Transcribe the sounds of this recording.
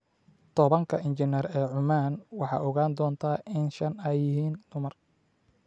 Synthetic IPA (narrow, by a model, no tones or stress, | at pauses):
t̪ʰɔβɐŋkʰɐʔɪnt͡ʃɪnɛrɛːʕʊmaːnwɑħɑ̰ːʔɔɣaːnd̪ɔːnt̪ʰaːʔɪnʃɐnɛjːɪɦiːnd̪̥ʊmɐr